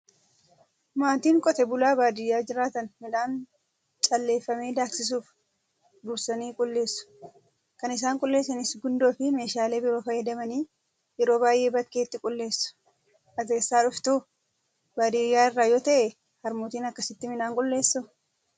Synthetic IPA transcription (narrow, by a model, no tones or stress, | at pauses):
maːt̪iːŋkʼɔt̪ɛbʊlaːbaːd̪ɪjːaːd͡ʒɪɾaːt̪ɐnmɪᶑaːn | t͡ʃʼɐlːe̞ːfːɐme̞ːd̪aːksɪs̬uːf | d̪ʊːsɐniːkʼʊlːe̞ːsːʊ̥ | kɐnɪs̬aːŋkʼʊlːe̞ːsːɐnɪsɡʊnd̪o̞ːfɪme̞ːʃaːle̞ːbɪɾo̞ːfɐjɛd̪ɐmɐniː | jɛɾo̞ːbaːjʔe̞ːbɐkːe̞ːt̪ːɪkʼʊlːe̞ːsːʊ̥ | ʔɐze̞ːsːaːᶑʊft̪u | baːd̪ɪjːaːɪrːaːjoːt̪ɐʔɛ | hɐɾmuːt̪iːnɐkːɐsɪt̪ːɪmɪnaːŋkʼʊlːe̞ːsːʊ